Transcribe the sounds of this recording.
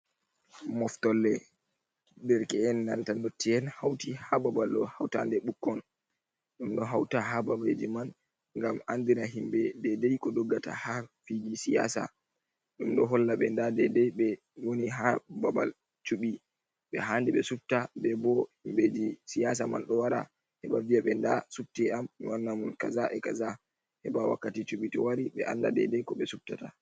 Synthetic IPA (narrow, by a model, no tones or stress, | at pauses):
mɔftɔlːɛ | bɛɾkɛɛnːantanotːiɛnhawtihababalɗɔhawta̰ndɛɓukːɔn | ɗumɗɔɦawtaɦababad͡ʒiman | ŋɡamand̪inaɦimbɛdɛdɛjkɔdɔɡːata̰hafid͡ʒisija̰sa̰ | ɗumɗɔɦɔlːaɓɛndadɛdɛɓɛ | woniɦababal | t͡ʃuɓi | ɓɛɦandiɓɛsup̚tabɛbɔhimbed͡ʒisijas̬ama̰nɗɔwaɾa̰ | hɛbavijaɓɛndasup̚tɛammiwanːamunkazaʔɛkaza | hɛbawa̰kːatit͡ʃuɓitɔwaɾiɓɛ̰ʔa̰nda̰dɛ̰dɛjkɔɓɛsub̚tata